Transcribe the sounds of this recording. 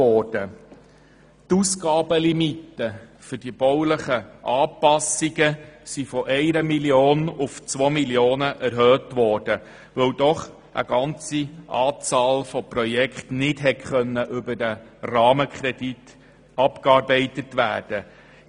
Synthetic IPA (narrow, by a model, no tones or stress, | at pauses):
ɔd̥ə | t̪uskɑːbəlimitːəfʏd̥ib̥ɔwləχəʔɑːpɑsiɡəsifɔʔɛɪɾəmiljoːnʊft͡sʋomiljoːnəʔæɾɦøːtʋɔːɾd̥ə | ʋœwdɔχ | ʔə̰ɡ̥ɑnt͡siʔɑːt͡sɑːlfɔpɾɔjɛkχtnɪdɦɛtχœnːəʔʏbədərɑːməkχɾɛdit | ɑpkɑːɾbɛɪtətʋæ̰ːɾd̥ə